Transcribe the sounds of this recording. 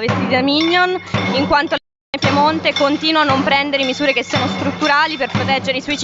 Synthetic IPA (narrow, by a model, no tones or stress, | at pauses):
vest̪id̪amiɲːoniŋkwant̪ole | nːepjemont̪ekont̪iːnwanːompɾɛnd̪eɾemizuːɾekesːiːanost̪ɾut̪ːuɾaːliperpɾot̪ɛd͡ʒːeɾeiswɔjit͡ʃ